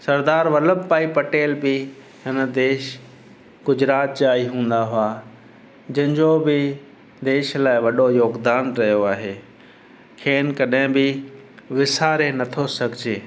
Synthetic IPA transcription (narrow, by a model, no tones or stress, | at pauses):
sɐɾd̪aːɾʋɐləbpaːipɐʈeːlbɪ | ɦɪnəd̪eːʃ | ɡʊd͡ʑɾaːt̪̚t͡ɕaːɦiɦũːn̆d̪aɦʊaː | d͡ʑɐ̃ɦɪ̃n̆d͡ʑobɪ | d̪eːʃlaːɪʋɐɗojoːɡd̪aːnɾɐɦijoaːɦeː | kʰeːnkɐɗɦɪ̃bɪ | ʋɪsaːɾenɐt̪ʰosɐɡʱɪd͡ʑeː